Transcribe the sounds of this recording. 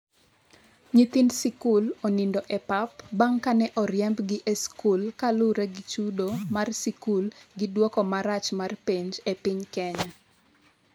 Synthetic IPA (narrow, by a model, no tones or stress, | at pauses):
ɲit̪insikulonindɔʔɛpapbaŋkanɛʔɔɾjɛmbɡɪʔeskulkalʊɾeɡɪt͡ʃudomarsikulɡɪdwɔkɔmaɾat͡ʃmarpiɲd͡ʒepɪɲkɛɲa